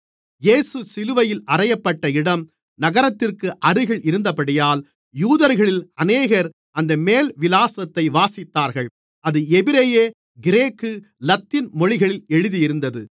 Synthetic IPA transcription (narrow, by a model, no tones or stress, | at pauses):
jeːsɯsɪlɯʋɐjɪlɐrɐjɐpːɐʈːɐɪɽɐm | nɐɣɐɾɐt̪ːɪrkɯʔɐɾɯɣɐɭʔɪɾɯnd̪ɐpɐɽɪjaːl | juːðɐɾɣɐɭɪlɐneːɣɐɾ | ɐnd̪ɐmeːlʋɪlaːsɐt̪ːɐɪʋaːsɪt̪ːaːɾɣɐɭ | ɐðɯɛbɪɾejeː | ɡɪɾeːkːɯ | lɐt̪ːɪnmɔɻɪɣɐɭɪlɛɻɯðijɪɾɯnd̪ɐðɯ